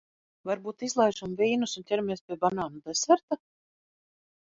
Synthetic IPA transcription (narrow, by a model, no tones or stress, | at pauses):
vaɾbuːt̪izlˠajʒamviːnusunt̪ʲɛɾamiɛspʲiɛbanaːnud̪ajsaɾt̪a